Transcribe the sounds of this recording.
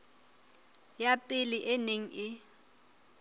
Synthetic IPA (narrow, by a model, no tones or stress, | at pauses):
japʼɪliʔɛneŋ̩ɪ